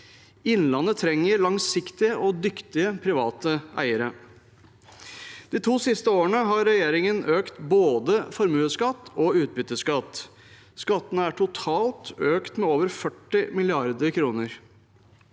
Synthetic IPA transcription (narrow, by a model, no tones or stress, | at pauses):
ɪnːlɑnːət̪ʰɾɛŋːəɾɭɑŋsɪkt̪ɪəʔɔd̪ʏkt̪ɪəpʰɾɪʋɑːt̪əʔæ̰ɪəɾə | d̪̥iːt̪ʰuːsɪst̪əoːəɳəɦɑɾːɛjeːɾɪŋənʔøːkt̪boːd̪əfɔɾmʉːəskɑt̪ːɔʉːt̪̚bʏt̪əskɑt̪ː | skɑt̪ːənəæʈʰʊt̪ʰɑːlt̪øːkt̪mɛoːʋəɾfœʈːɪmɪlɪɑɾd̪əɾkʰɾuːnəɾ